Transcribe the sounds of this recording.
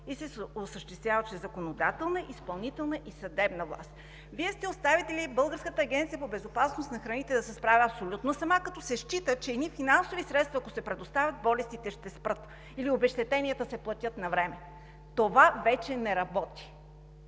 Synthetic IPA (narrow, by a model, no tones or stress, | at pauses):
isɛosəʃt̪ɛst̪vʲjavət͡ʃɛzɐkonod̪at̪ɛlˠnəʔispɐlˠnit̪ɛlˠnəʔisɐd̪ɛbnəvlˠa̰st̪ | viɛst̪ɛost̪avit̪ɛlibɤlˠɡəɾskət̪əːɡʲɛnt̪sijəpobɛzopasnosnɐxɾɐnit̪ɛd̪ɐsɛspɾavʲiɐpsolʲut̪nosɐmakɐt̪ɔsɛʃt͡ʃit̪ət͡ʃɛːd̪nifinansovisɾɛt̪st̪vɐːkosɛpɾɛd̪ost̪avʲɐt̪̚bɔlɛst̪it̪ɛʃt̪ɛspɾɤt̪ | iliobɛʃt̪ɛt̪ɛnʲijət̪əsɛplˠɐt̪ʲɤt̪nɐvɾɛmɛ | t̪ovavɛt͡ʃɛnɛɾɐbɔt̪i̥